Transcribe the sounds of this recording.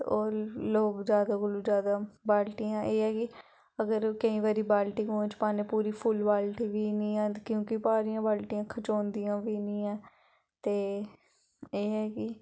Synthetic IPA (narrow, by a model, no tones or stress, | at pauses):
oːɾloːɡzjaːd̪aːɡʊluːd͡ʒjaːd̪aːbaːlʈijãːʔeːɦɛːkɪ | əɡəɾkəĩːʋaːɾiːbaːlʈiːõːt͡ʃpaːneːpuːɾiːpʰʊlbaːlʈiːʋiːnĩːãːkjõːkɪpaːɾɪjãːbaːlʈɪjãːkʰət͡ʃõːnd̪ijãːʋiːnĩːãː | t̪eː | eːɦɛːkɪ